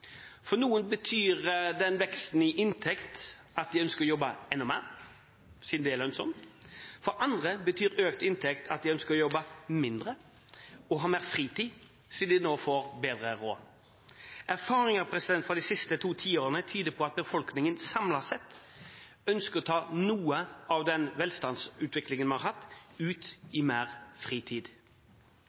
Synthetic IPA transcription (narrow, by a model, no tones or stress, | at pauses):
fɔnuːənbət̪ʰyːʁd̪ɛnʋɛkst̪n̩ɪʔɪnt̪ʰɛkt̪ | ɑt̪̚d̪ɪœnskəɾɔjɔbːəɛnːɔmæːʁ | sɪd̪d̪ɛɛlœnsɔmt̪fɔɾʔɑnd̪ʁəbət̪ʰyːɾøːkt̪ɪnt̪ʰɛkt̪ʰɑt̪̚d̪ɪœnskəɾɔjɔbːəmɪnd̪ʁə | ɔɦɑːmeːʁfʁiːt̪ʰiː | siːd̪ɪnoːfoːʁbeːd̪ʁəʁo̰ː | ʔæʁfɑːɾɪŋɑpʰɾɛsɪd̪ɛnt̪fʁɔd̪ɪsɪst̪ət̪ʰuːt̪ʰiːoːɾənət̪ʰyːd̪əpʰɔɑt̪̚bəfɔlknɪŋənsɑmlɑsɛt̪ː | œnskəʁɔt̪ʰɑːnuːəɑʋd̪ɛnʋɛlst̪ɑnd̪sʉːt̪ʰʋɪklɪŋənmɑnɑɾɦɑt̪ːʉːt̪ɪmeːʁfʁiːt̪ʰiːd̪